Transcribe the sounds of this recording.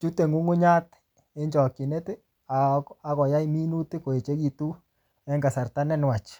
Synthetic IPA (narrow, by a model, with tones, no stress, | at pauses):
t͡ʃu˦te˨ŋu˦ŋu˦ɲa˦t | e˦ɲd͡ʒɔ˨ki˨ne˦t | a˨a˦kɔ˨ja˦i˦mi˦nu˦ti˦ko˨e˨t͡ʃe˦ki˨tu˦ | ɛ˦ŋɡa˨sa˨ɾta˦nɛ˦n˨wa˨t͡ʃ